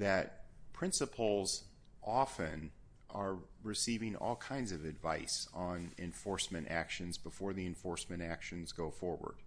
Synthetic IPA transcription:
ðɨt̚pʰɹ̥ɪ̃nsəpʰl̩ˠz | ʔɑfɨ̃n | ʔə˞ɹɨsivɪ̃ŋɔ̰lˠkʰãɪ̃ndzʌvɨdvaɪsn̩ɨ̰̃ɱfɔɹsmɨ̃ñtæ̰kʃɨ̃nzbəfɔɹðiɨ̃ɱfɔɹsmɨ̃ñækʃɨ̃nzɡoʊfɔɹwə̰˞d̥

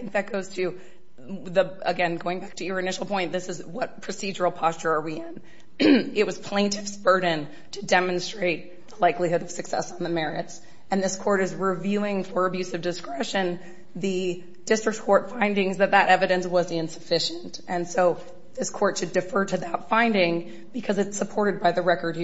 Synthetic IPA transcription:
θɪ̃ŋk̚ðɨt̚ɡ̥oʊz̥tʰɨ | ðəəɡɛ̃nɡoʊɪ̃ŋbæk̚tʰɨə˞ɨnɪʃl̩ˠpʰɔ̃ɪ̃nðɪsɨzwʌt̚pʰɹ̥ɨsid͡ʒə˞l̩ˠpʰɑst͡ʃə˞ə˞wiɪ̃n | ɪt̚wʌz̥pʰl̥ẽɪ̃ntʰɨv̥sb̥ɜ˞dⁿn̩ | tʰɨdɛmɨ̃nstɹ̥eɪt̪̚ | ðəlaɪklihʊɾʌv̥sɨksɛ̰sn̩ðɨmɛɹɨts | ɨ̃nðɪskʰɔɹɾɨzɹɪvjʉɪ̃ŋfə˞ɨbjʉzʌvdɨskɹɛʃɨ̃n | ðɨ | d̥ɪstɹ̥ɨk̚tkʰɔɹtfãɪ̃ndɪ̃ŋzðɨt̪̚ðɨɾʔɛvɨɾɨ̃nswʌzɪ̃nsɨ̥fɪʃɨ̃ntɨ̃nsoʊ | ðɪskʰɔɹtʃɨdɨfɜ˞ɾɨðətfãɪ̃ndɪ̃ŋ | b̥ɨkʰʌzɨtsəpʰɔɹɾɨd̚baɪðɨɹɛkə˞d̚h

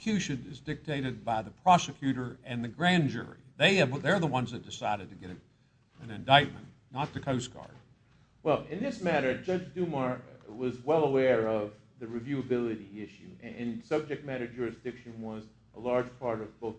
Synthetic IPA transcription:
kʰj̥ʉʃɨ̃nɪzdɪk̚tʰeɪɾɨd̚baɪðəpʰɹ̥ɑsɨkʰj̥ʉɾə˞ɨ̃nðɨɡɹæ̃nd͡ʒʊ̰ɹḭðeɪɨðə˞ðəwʌ̃nzðɨt̚d̥ɨsaɪɾɨd̚tʰɨɡɛɾɨ | ɨ̃nɨ̃ndaɪt̚mɨ̰̃n | nətʰɨkʰoʊsɡ̥ɑ̰ɹd̥̚ | wɛlˠɪ̃nðɪsmæɾə˞d͡ʒʌd͡ʒdʉməɹwʌzwɛlˠəwɛɹʌv | ðɨɹɨvjʉəbɪlˠɨɾiɪʃʉɪ̃nsʌb̚d͡ʒɨk̚t̚mæɾə˞d͡ʒʊɹɨsd̥ɪkʃɨ̃nwʌz | ʔəlɑɹd̥d͡ʒ̥pʰɑɹɾʌvb̥oʊ

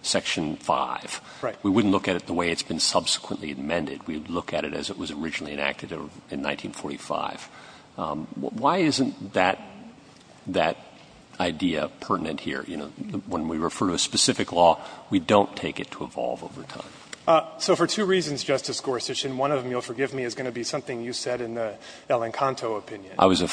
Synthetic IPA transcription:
sɛkʃɨ̃nfa̰ɪv̥ | ɹaɪwiwʊdⁿn̩ʔlʊkɨɾɨt̪̚ðəweɪɨtsb̥ɨ̃n̩sʌb̥sə̥kʰwə̃nʔliɨd̚mɛ̃ndɨ̰d̚wilʊkɨɾɨ̰ɾɨ̰zəʔ̚wʌzə˞ɪd͡ʒnl̩ˠiɨ̃næ̰k̚tʰɨɾɨ̃nːãɪ̃ntʰĩnfɔɹɾifa̰ɪv̥ | waɪɪzɨ̃nðɨt̪̚ | ðɨɾ | aɪdiɨ̰pʰɜ˞ʔn̩ɨ̃nʔhḭɹjɨñoʊwə̃nwiɹɨfɜ˞ɾɨɨspɨsɪfɨklɔwidõʊ̃ntʰeɪkɨtʰəəvɑ̰lˠvo̰ʊvə̰˞tʰã̰ɪ̃msoʊfə˞tʰʉɹizɨ̃n̩zd͡ʒʌstɨskɔɹsɨʃɨ̃nwʌ̃ñʌvm̩julˠfə˞ɡɪvmiɨzɡʌnɨbisʌ̃mθɪ̃ŋjɨsɛɾɨ̃nði | ɛlˠɨ̃nkʰɑ̃ntʰoʊəpʰɪ̃njɨ̃nʔa̰ɪwʌzɨ

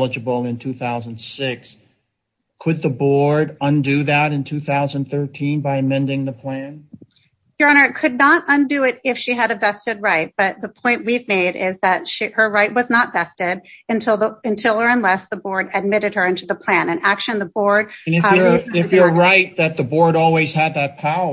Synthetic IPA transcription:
lˠəd͡ʒɨbl̩ˠɪ̃ntʰʉθaʊzə̃n̩d̥sɪks | kʰɨd̪̚ðəbɔɹɾʌ̃ndɨðɨɾɨ̃ntʰʉθaʊzə̃n̩θɜ˞tʰĩnbaɪɨmɛ̃ndɪ̃ŋðəpʰl̥æ̃n | j̥ə˞ɑnə˞kʰɨdⁿnəɾʌ̃ndɨɪɾɪfʃiɨɾɨvɛstɨd̚ɹaɪt̚b̥ʌt̪̚ðəpʰɔ̃ɪ̃nʔwivmeɪɾɪzðɨtʃihə˞ɹaɪʔ̚wʌznətvɛstɪɾɨ̃ntʰɪlˠðəɨ̃ntʰɪlˠə˞ɨ̃nlɛsðəbɔɹɾɨd̚mɪɾɨd̚ə˞ɪ̃ntʉðəpʰl̥æ̃nɨ̃nækʃɨ̃nðəbɔɹd̚nɨəɪfjə˞ɹaɪt̪̚ðɨt̪̚ðɨbɔɹɾɔlˠwiz̥ɨd̪̚ðɨt̚pʰaʊə

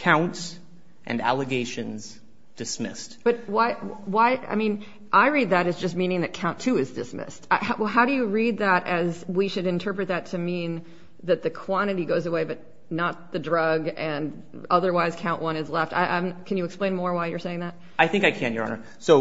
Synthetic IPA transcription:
kʰãʊ̃nts | ʔɨ̰̃næ̰lˠɨɡeɪʃɨ̃nz̥ | d̥ɨsmɪ̰st̚b̥ʌt̚waɪwaɪʔa̰ɪmĩn | ʔaɪɹid̪̚ðɨɾɨzd͡ʒʌs̬tmĩñɪ̃ŋðɨt̚kʰãʊ̃ntʰʉɨzdɨsmɪ̰staɪaɦaʊɾɨjɨɹid̪̚ðəɾɨzwiʃɨɾɨ̃ntʰɜ˞pɹɨt̪̚ðɨtʰɨmĩn | ðɨt̪̚ðɨkʰw̥ɑ̃ɾ̃ɨɾiɡoʊzəweɪbʌt̚ⁿ | nət̪̚ðɨdɹʌɡɨ̃n | ʌðə˞waɪz̥kʰãʊ̃ʔwʔʌ̃nɨzlɛfta̰ɪʔãmkʰɨ̃njɨːksplẽɪ̃nmɔɹwaɪjə˞seɪɪ̃ŋðæt̚ | aɪθɪ̃ŋkaɪkʰæ̃njə̰˞nə̰˞ | soʊ

